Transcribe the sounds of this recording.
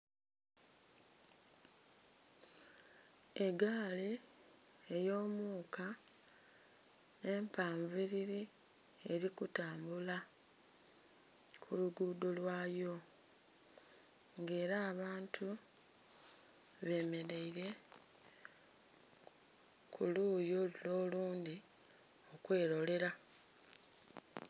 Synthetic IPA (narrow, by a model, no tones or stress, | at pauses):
e̞ɡaːli | ejo̞ːmuːka | e̞mpaːɱviɾiɾi | eɾikutaːmbula | kʰuluɡuːdolwaːjo̞ | ŋɡe̞ːɾaːβaːntʰu | βe̞me̞ɾeiɾe̞ | kʰuluːjolulo̞ːluːndi | o̞kwe̞ːɾo̞le̞ɾa